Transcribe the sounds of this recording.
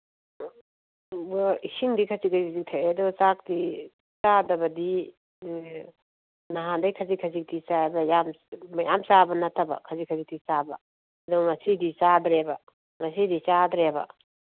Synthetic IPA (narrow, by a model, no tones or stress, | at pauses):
isiŋdikʰɐt͡ʃiɡajzik̚tʰajedɔt͡ʃak̚ti | t͡ʃadɐbɐdi | naɦandajkʰɐzikʰɐzik̚tit͡ʃabɐjam | mɐjamt͡ʃabɐnɐtɐbɐ̰kʰɐzikʰɐzik̚tit͡ʃabɐ̰ | ɐduɡŋɐsidit͡ʃadɾebɐ | ŋɐsidit͡ʃadɾebɐ̰